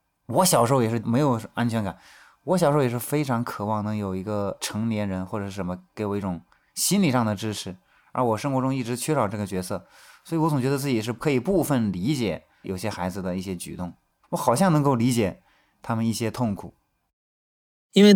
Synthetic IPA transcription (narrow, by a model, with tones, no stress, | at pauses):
wɔ˧˥ɕjɑ˨˩ʊʂo˥˩ʊjɛ˨˩ʂɻ̩˥˩me˧˥ɪjo˨˩ʊa˥nt͡ɕʰɥɛ˧˥nka˨˩˦n | wɔ˧˥ɕ̬jɑ˨˩ʂo˥˩jɛ˨˩ʂɻ̩˥˩fe˥ɪʈ͡ʂʰɑ˧˥ŋkʰɤ˨˩wɑ˥˩ŋnɤ˧˥ŋjo˨˩ʊi˧˥ɡə˧ʈ͡ʂʰɤ˧˥ŋljɛ˧˥nɻə˧˥nxwɔ˥˩ʈ͡ʂɤ˨˩ʂɻ̩˥˩ʂə˧˥mə˧ke˧˥ɪwɔ˨˩i˥˩ʈ͡ʂʊ˨˩˦ŋ | ɕi˥nli˨˩ʂɑ˥˩ŋd̪ə˩ʈ͡ʂɻ̩˥ʈ͡ʂʰɻ̩˧˥ | ə̰˞˧˥wɔ˨˩ʂɤ˥ŋxwɔ˧˥ʈ͡ʂʊ˥ŋi˥˩ʈ͡ʂɻ̩˧˥t͡ɕʰɥɛ˥ʂɑ˨˩ʊʈ͡ʂɤ˥˩ɡə˩t͡ɕɥɛ˧˥sɤ˥˩ | swɔ˧˥i˧˩wɔ˧˥t͡sʊ˨˩ŋt͡ɕɥɛ˧˥d̪ə˧t͡sɹ̩˥˩t͡ɕi˩ʂ̬ɻ̩˥˧kʰɤ˧˥i˨˩pu˥˧fə˥˩nli˧˥t͡ɕjɛ̰˨˩˦ | jo̰˨˩ʊɕjɛ˥xa˧˥ɪd͡zɹ̩˧d̪ə˩i˥˩ɕjɛ˥t͡ɕy̰˨˩t̪ʊ˥˩ŋ | wɔ˧˥xɑ˨˩ʊɕjɑ˥˩ŋnɤ˧˥ŋko˥˩ʊli˧˥t͡ɕjɛ˨˩ | t̪ʰa˥mə˨ni˥˩ɕjɛ˥t̪ʰʊ˥˩ŋkʰu˨˩˦ | i˥nwe˥˩ɪ